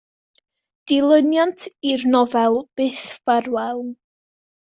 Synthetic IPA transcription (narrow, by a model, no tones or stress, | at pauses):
d̥ɪlˠənjantʰirnɔvɛlˠb̥ɨθvarwɛlˠn